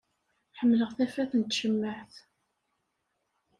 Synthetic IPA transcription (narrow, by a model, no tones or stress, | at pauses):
ħəmːləʁθæfæθənt̪ʃəmːəħθ